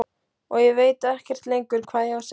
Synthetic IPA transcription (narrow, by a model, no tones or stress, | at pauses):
ɔɣjɛveːjt̪aɛhcɛr̥t̪lejŋkʏɾkʰvaːðjaws